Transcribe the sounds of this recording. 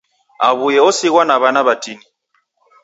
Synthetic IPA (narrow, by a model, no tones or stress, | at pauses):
aβujɛɔsiɣwanaβanaβatini